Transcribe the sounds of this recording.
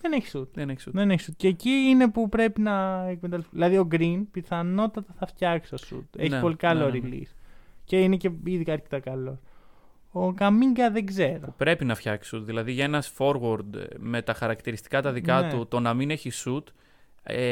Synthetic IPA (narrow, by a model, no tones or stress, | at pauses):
ðeneçi̥sut̪̚eneçðeneçisut̪ceːciine̞pupɾe̞pinɐekmet̪ɐlsðilɐðio̞ɡɾinpiθɐno̞t̪ɐt̪ɐθɐft̪çɐksiosṵt̪eçipo̞likɐloɾilḭsce̞inece̞iðikɐɐɾcet̪ɐkɐlo̞s | okɐmiŋɡɐðe̞ɡze̞ɾo̞upɾe̞pinɐfçɐksi̥sut̪ðilɐðiʝɐenɐsfo̞ɾɣoɾd̪me̞t̪ɐxɐɾɐkt̪iɾist̪i̥kɐt̪ɐðikɐt̪ut̪o̞nɐmine̞çisut̪ | e